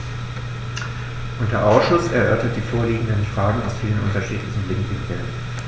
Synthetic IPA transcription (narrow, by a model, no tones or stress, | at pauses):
ʔʊntd̥eːɐʔaʊsʃʊsɛɐʔœɐtɐt̚d̥iːfoːɐliːɡŋ̩dənfʁ̥aːɡŋ̩a̰ʊsfiːlənʔʊntɐʃiːtlɪçn̩blɪkdɪvɛ̰ln